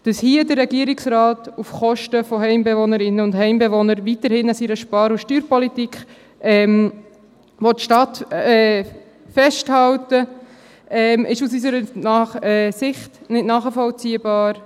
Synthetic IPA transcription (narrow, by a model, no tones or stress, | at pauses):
d̥ɑshiədəɾːɛɡiəɾɪksɾɑːtufχɔʃtəfɔɦɛɪmbevonəɾɪnːəʊndhɛɪmbɛvɔnəɾʋitəɾhɪnasiɾəʃpɑːɾuʃtyːɾpɔlitikχ | ɛm | ʋɔttːʃtɑtɛː | fɛʃthɑltə | ɛːmʔɪʃusisəɾənɑχɛːsɪχtnɪtnɑːχəfɔlt͡siːəbɑːɾ